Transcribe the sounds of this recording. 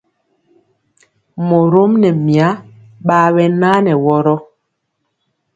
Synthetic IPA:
mo˨ɾo˦mnɛ˨mi˨a˨˦ | ɓaː˦ɓɛ˦na˦nɛ˨wɔ˦ɾɔ˦

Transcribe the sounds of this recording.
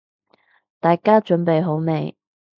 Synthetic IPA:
t̪aː˨jkaː˥t͡ʃɵ˨˥npe˨jɦo˨˥wme˨˧j

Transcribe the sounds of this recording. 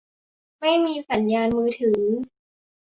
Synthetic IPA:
ma˥˩jmiː˧sa˩˦njaː˧nmɯː˧t̪ʰɯː˩˦

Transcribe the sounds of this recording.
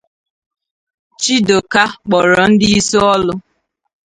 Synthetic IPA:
t͡ʃi˦do˨ka˦k͡pɔ˨ɾɔ˨n̩˦dɪ˦i˦so˦ɔ˦lʊ˦

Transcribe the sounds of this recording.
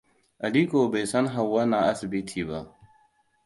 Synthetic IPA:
ʔa˨liː˦koː˨ba˨jsɐ˦ŋɦa˨wːɐ˦na˨ʔa˦sɪ˨bɪ˦tʰiː˨ba˦ʔ

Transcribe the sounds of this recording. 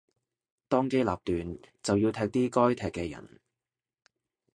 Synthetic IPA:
t̪ɔː˥ŋke˥la̰ː˨p̚t̪yː˨nt͡sɐ˨wjiː˧wt̪ʰɛː˧k̚t̪iː˥kɔː˥jt̪ʰɛː˨kːɛː˧jɐ̰˨˩n

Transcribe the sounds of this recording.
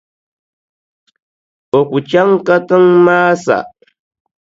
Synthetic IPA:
o˨kʷu˨t͡ʃa˦ŋka˦t̪a˦ŋmaː˦sa̰˨

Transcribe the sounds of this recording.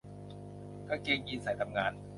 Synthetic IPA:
kʰaː˥˩keː˧ŋjiː˧nsa˨˩˦jt̪ʰa˧mŋaː˧n

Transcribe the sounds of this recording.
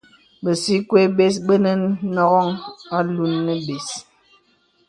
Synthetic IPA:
bə˨si˦kwe˦be˦s̬ɓə˦nə˦n˦nɔ˦ɣɔ˦ŋa˦lu˦nːə˦be˨s

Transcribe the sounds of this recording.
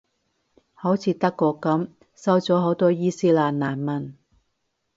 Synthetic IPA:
ho˨˥wt͡sʰiː˨˧t̪ɐ˥kːɔː˧kːɐ˨˥m | sɐ˥wt͡sɔː˨˥ɦo˨˥wt̪ɔː˥jiː˥siː˥laː˨n̚naː˨˩nmɐ˨˩n

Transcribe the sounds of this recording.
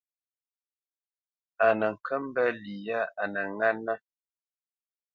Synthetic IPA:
a˨nə˨ŋ̩˨kʰə˦m˦bə˦li˨ja˦a˨nə˨ŋa˦nːə˦

